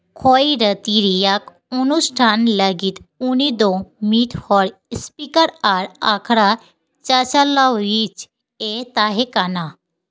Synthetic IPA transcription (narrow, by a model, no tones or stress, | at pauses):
kʰɔjɾət̪iɾijak | unusʈʰanləɡiːt̪uɽ̃id̪omiʈhɔɾspikəɾaɾakʰɽa | t͡ɕasalawjit͡s | et̪aɦekana